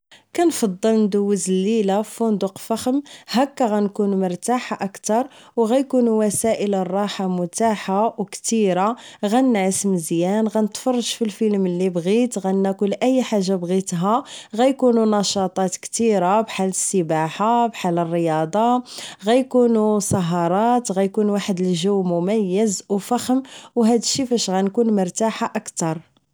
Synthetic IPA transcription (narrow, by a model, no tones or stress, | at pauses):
kænfɑd̪ˤːəlnd̪uwːəzəlːilafund̪uqfaxəmhækːæɣænkunuməɾˤt̪aħaʔəkt̪ɑɾˤwɣæjkunuwæsæʔələrˤːɑħamʊt̪aħawkt̪iɾaɣænnʕəsmzjænɣænət̪fɑrˤːɑʒfilfilməlːibɣit̪ɣænːækʊlːʔæjːħaʒːabɣit̪ɦæɣæjkununɑʃɑt̪ˤɑt̪kt̪iɾabħaləsːəbaħabħalərˤːəjɑd̪ˤɑɣæjkunusɑɦɑɾˤɑt̪ɣæjkunwaħəd̪əlʒuwːmʊmæjːəzwfæxəmwɦæd̪əʃːifæʃɣænkunmʊɾt̪aħaʔəkt̪ɑɾˤ